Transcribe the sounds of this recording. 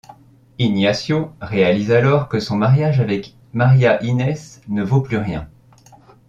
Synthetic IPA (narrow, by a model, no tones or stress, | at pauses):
injasjoʁealizalɔʁkəsɔ̃maʁjaʒavɛk | maʁjaʔinɛsnəvoplyʁjɛ̃